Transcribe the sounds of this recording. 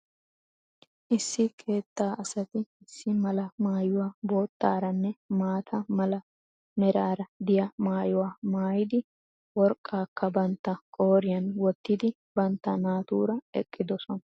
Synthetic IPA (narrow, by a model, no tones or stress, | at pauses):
ʔɪsːɪkʰe̞ːt̪ːaːʔɐsɐt̪ɪɪsːɪmɐlɐmaːjʊwaːbo̞ːt̪ːa̰ːɾɐnːɛmaːt̪ʰɐmɐlɐ | mɛɾaːɾɐd̪ɪjɐmaːjʊwaːmaːjɪd̪ɪ | wɔɾkʼːaːkːɐbɐnt̪ːɐkʼo̞ːɾɪjɐnwɔt̪ːɪd̪ɪ | bɐnt̪ːɐnaːt̪uːɾɐɛ̰kʼːɪd̪ɔsɔnɐ